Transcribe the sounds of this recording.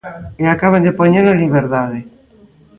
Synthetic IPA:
eakaβ̞end̪epoɲeɾlaliβ̞eɾðaðe

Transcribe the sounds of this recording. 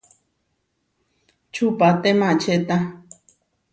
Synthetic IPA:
t͡ʃʰupat̪emãt͡ʃʰet̪a

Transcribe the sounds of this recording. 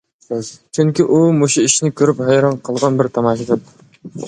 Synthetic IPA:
zt͡ʃʰyŋkʲiʔumoʃuiʃnɪkʲʰøɾyphæjɾɑnqʰəlˠʁɑnbɪɾt̪ʰɑmɑʃid̪ɪn

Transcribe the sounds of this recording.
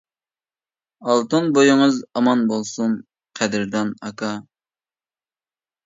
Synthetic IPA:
ɑlˠt̪ɨnbojɪŋɨzɑmɑnbolˠsum | qʰæd̪ɪɾd̪ɑnɑkʰɑ

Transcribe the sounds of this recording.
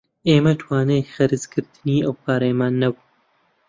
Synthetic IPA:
ʔeːmɐt̪ʰwaːnejxɐɾɨzkɨɾt̪ʰɨniːɐwpʰaːɾejmaːnːɐbu

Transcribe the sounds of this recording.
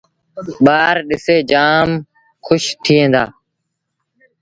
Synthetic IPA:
ɓaːɾɗɪseːd͡ʒaːm | xʰʊʃt̪ʰiːɦẽːnd̪a̰ː

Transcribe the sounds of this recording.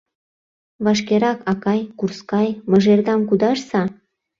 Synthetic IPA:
βɑʃ̬keɾɑkɑkɑjkurskɑjmɤʒerd̪ɑmkud̪ɑʃsɑ

